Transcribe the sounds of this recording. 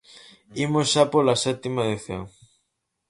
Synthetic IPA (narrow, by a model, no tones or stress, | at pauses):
imosʃapolasɛt̪imaeðiθjo̰ŋ